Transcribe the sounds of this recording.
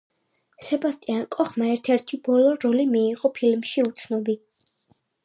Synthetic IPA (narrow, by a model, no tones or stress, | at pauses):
sɛbast̪ʼiankʼɔχmaɛɾt̪ʰɛɾt̪ʰibɔlˠɔɾɔlimiːqʼɔpʰilmʃiut̪sʰnɔbi